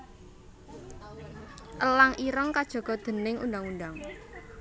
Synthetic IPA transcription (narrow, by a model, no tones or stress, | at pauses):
ʔəlaŋʔiɾəŋkad̥ʒ̥ɔ̤ɡ̥ɔ̤d̪̥ə̤nɪŋṵndaŋundaŋ